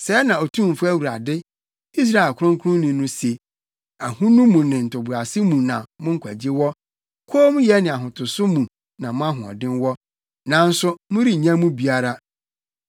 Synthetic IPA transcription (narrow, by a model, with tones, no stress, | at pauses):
sɛ˨˦nã˨ɔ˨tʰũ˦m˨fʊ˦æ˦wu˨ɾa˨dɪ˦ | i˦s̬ɾa˦ɛ˨lkʰʊ˦ɾʊ̃˦ŋkʰu˦ɾʊ̃˦nĩ˨nʊ̃˦se˨ | a˨hũ˦nũ˦mũ˨nɪ̃˨n̩˨tʰʊ˨bʊ˨ɾa˨sɪ˦mũ˨nã˨mʊ̃˦ŋ̩˦kʰʷæ̰˨d͡ʑi˦wɔ˦ | kʰoː˦m̃˦jɛ˦nɪ̃˨a˨ɦʊ̃˨tʰʊ˨sʊ˦mũ˨ | nã˨mʊ̃˦a˦ɦʊ̃˨ɔ̰˨dɪ̃˦nwɔ˦ | nã˨n̩˦sʊ˦mʊ̃˦ɾi˦˨ɲã˦mũ˦bi˨a˦ɾa˦